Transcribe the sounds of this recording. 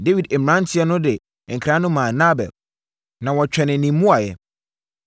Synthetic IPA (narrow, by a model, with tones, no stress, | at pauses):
de˦wi˨de˨m˨ã˦n̩˦tʰɪ˦ɛ˦nʊ̃˦dɪ˨ | ŋ̩˨kʰɾã˦nʊ̃˦mãː˨na˦bɛ̰˨l | nã˨wɔ˨t͡ɕᶣɛ˨nɪ̃˨nĩ˨˦mũ˦a˨jɛ˨